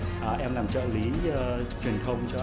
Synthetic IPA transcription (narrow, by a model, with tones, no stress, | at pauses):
ʔːʔɛ˧mlaː˨˩mt͡ɕə̰ː˧˨li˨˦˧t͡ɕwi˨˩ənt̪ʰə˧wŋ͡mt͡ɕɔ˧